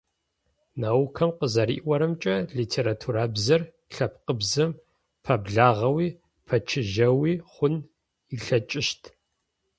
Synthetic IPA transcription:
naːwkʰɐmqəzɐɾḭʔʔwʷɐɾɨmt͡ʃʼɐɮitʰeːɾatʰuɾabzɐr | ɬɐp̚ʰqəbzɐm | pʰɐbɮaːʁɐwiː | pʰɐt͡ʃʰɪʒɐwiːχʷʊn | iɬɐt͡ʃʼɪʃtʰ

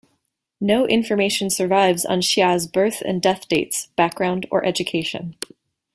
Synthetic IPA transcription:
noʊʔɪ̃ɱfə˞meɪʃɨ̃nsə˞vaɪvz̃n̩ʃazbɜ˞θɨ̰̃ndɛθd̥eɪtsb̥æk̚ɡ̥ɹãʊ̃ndə̰˞ʔɛd͡ʒɨkʰeɪʃɨ̰̃n

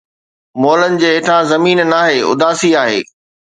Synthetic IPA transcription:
moːlənɪ̆d͡ʑeːeːʈʰãzɐmiːnnaːɦeːʊ̰d̪ʱaːsiaːɦḛː

